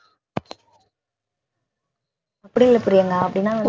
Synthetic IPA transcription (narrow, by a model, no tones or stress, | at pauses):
ɐpːɐɽiɪlɯpːʊɾɪjɐŋɡɐɐpːɐɽɪnːaːɐn